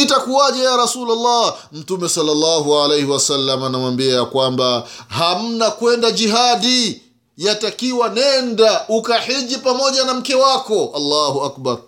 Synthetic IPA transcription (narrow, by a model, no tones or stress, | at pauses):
itakuaʄajaɾasulalːa | m̩tumɛsɔlːalːaːɦualejhiwasalːamanamwambiakwambaham̩nakwɛndad͡ʒiɦaɗi | jatakiwanɛndaʔukaħiʄipamɔʄanam̩kɛwakɔʔalːaːɦuak̚baɾ